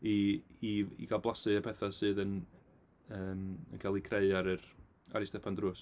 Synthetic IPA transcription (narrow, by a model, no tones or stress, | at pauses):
iiḭɡalˠblˠasɨəpʰɛθasɨːðən | əːmə̰nkʰalˠikʰreɨaɾɨr | aɾɪstɛpʰandruːs